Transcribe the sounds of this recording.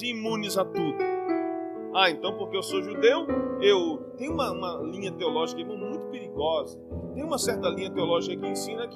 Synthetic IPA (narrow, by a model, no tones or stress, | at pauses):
imũnizat̪ud̪ʊ | aẽnt̪ɐ̃w̃poɾkeewsoʒud̪ewewt̪ẽj̃ũmɐũmɐlĩɲɐt̪eolɔʒikɐɛ̃mẽmũj̃t̪ʊ̥peɾiɡɔzɐt̪ẽj̃ũmɐsɛɾt̪ɐlĩɲɐt̪eolɔʒikɐkɪẽsĩnɐki